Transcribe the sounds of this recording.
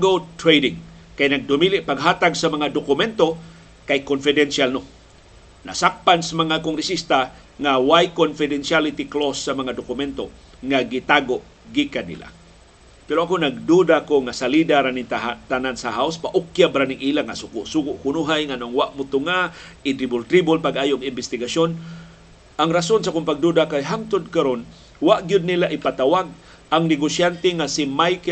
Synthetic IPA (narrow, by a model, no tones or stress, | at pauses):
ɡot̪ɾejdɪŋ | kajnaɡ̚d̪ʊmiliʔpaɡɦat̪aɡsamaŋad̪okʊmɛnt̪o | kajkonfɪd̪ɛnsalno | na̰sak̚pansamaŋakoŋɾɪsist̪a | ŋawajkonfɪdɛnsialit̪iklosːamaŋad̪okʊmɛnt̪o | ŋaɡit̪aɡoʔ | ɡikanːḭla̰ | pɛɾoakonaɡ̚d̪udakoŋasalidaɾanit̪aat̪anansaɦawspaʔʊkjabɾanɪŋʔilaŋasʊkʊsuɡʊʔkʊnuɦajŋanoʔŋwaʔmʊt̪ʊŋaʔɪt̪ɾibʊlt̪ɾibʊlpaɡʔaːjoʔɡɪmbɪst̪ɪɡasjon | ʔaŋɾasonsakʊmpaɡ̚d̪udakajɦaŋt̪ʊd̪̚kaɾon | waʔɡjʊd̪̚nilaʔɪpat̪awaɡ̚ | ʔaŋnɪɡosjant̪eŋasimajk